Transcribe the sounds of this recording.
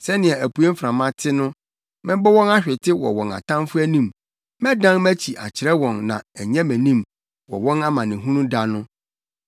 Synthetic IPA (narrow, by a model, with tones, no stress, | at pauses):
sɛ˦nɪ̃˨ɛ˨æ˨pu˨e˦m̩˦fɾã˨mã˦tʰɪ˦nʊ̃˦ | mɛ̃˦bɔ˦wɔ̃˦na˦ɕᶣɪ˨tʰɪ˦wɔ̰˨wɔ̃˨na̰˨tʰã˦m˦fʊ˦æ˦nĩ˦˨m | mɛ̃˦dã˦nmæ˦t͡ɕʰi˨ʔa̰˨t͡ɕʰɪ˨ɾɛ˦wɔ̃˨nnã̰˨ɛ˨ɲɛ̃˦mæ̃˨nĩ˦m | wɔ̰˨wɔ̃˦na˦mã˨nɪ̃˨ɦũ˦nũ˦da˦nʊ̃˦